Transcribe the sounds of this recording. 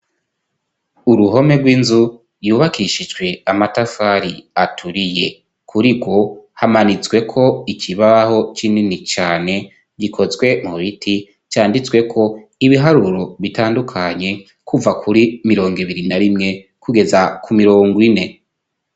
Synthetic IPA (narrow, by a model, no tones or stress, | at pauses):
uɾuɦo̞me̞ɾɡwiːnzu | juːβakiʃid͡ʒɡwe̞amatafaɾiatʰuɾije̞ | kʰuɾiɡwo̞hamanit͡sɡwe̞kʰo̞icʰiβaho̞t͡ʃininit͡ʃaːne̞ | ɟikʰo̞zɡwe̞muβitʰi | t͡ʃaːndit͡swe̞kʰo̞iβiɦaɾuɾo̞βitaːndukʰaɲe̞ | kuvakʰuɾimiɾo̞ːŋɡiβiɾinaɾimŋe̞ | kʰuɡe̞zakumiɾo̞ːŋɡine̞